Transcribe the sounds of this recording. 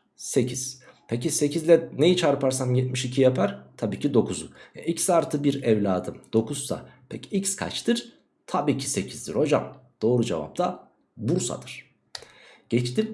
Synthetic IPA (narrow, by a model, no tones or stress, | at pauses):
se̞cʰiz̥pʰecise̞cʰizlʲɛnejit͡ʃʰaɾpaɾsamjɛt̪̚miʃicʰijapʰaɾ̥t̪ʰabiːcʰid̪o̞kʰuzuvɛ̰ʔicsaɾt̪ʰɯbiɾɛvlʲaːd̪ɯmd̪̥o̞kʰuzsa̰pʰɛcʰiicskʰa̰t͡ʃt̪ʰɯɾ̥ | t̪ʰabiːcʰi̥se̞cʰizd̪iɾho̞d͡ʒa̰md̪̥o̞ːɾud͡ʒḛva̰p̚t̪ʰa | buɾsa̰d̪ɯɾ̥ | ɟ̥ɛt͡ʃt̪im